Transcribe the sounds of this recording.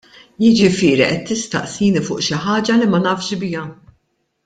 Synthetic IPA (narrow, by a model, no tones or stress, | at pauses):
jɪd͡ʒɪfɪːɾiʔɛt̪ːɪst̪ɐ̰ʔsiːnifʊːʔʃɪħɐːd͡ʒɐlimɐnɐːfʃbɪjɐ